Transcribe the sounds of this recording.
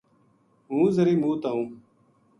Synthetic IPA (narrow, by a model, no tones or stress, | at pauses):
ɦũːzəɾiːmũːt̪aːũː